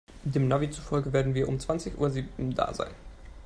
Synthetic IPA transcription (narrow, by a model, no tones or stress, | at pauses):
deːmnavit͡sufɔlɡəveːɐdn̩viːɐʔʊmt͡sv̥ant͡sɪçʔuːɐziːbn̩d̥a̰ːza̰ɪn